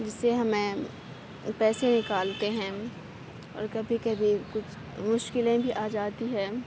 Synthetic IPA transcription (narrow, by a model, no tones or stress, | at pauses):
d͡ʒɪsːeɦɐmẽ | pɛːsenɪkaːlt̪eɦɛ̃ː | ɔ̰ːɾkɐbʱikɐbʱikʊt͡ʃʰ | mʊʃkɪlẽbʱiʔaːd͡ʒaːt̪iɦɛː